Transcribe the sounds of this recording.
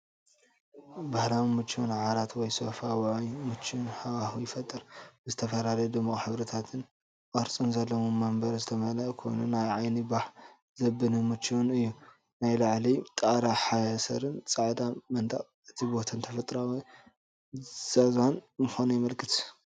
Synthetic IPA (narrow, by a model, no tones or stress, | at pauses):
bahɾawimɨt͡ʃːiwunʕaɾat̪wɔjsofawjmɨt͡ʃːuwnħawahujɪfɐt̪ʼːɨɾbzɨt̪ʰɐfɐlalɐjd̪ɨmokʼħɨβɾɐt̪ʰat̪ʰɨn | ʔʼɐɾt͡sʼɨnzɐlːɐmomːɐmbɐɾzɨt̪ʰɐmɐlɐʔkʰo̞̰jnunajʕajnibaħ | zɐbːɨnɨmɨt͡ʃːiwnɨjːu | najlaʕlit̪ʼaɾaħajasɐɾɨnt͡sʼaʕd̪amɐnt̪ʼa̰χʼ | ɨt̪ʰibo̞t̪ʰɐnt̪ʰɐfɐt̪ʼɾaw | z̥azwanmɨxonujɛmɐlkʰɨt̪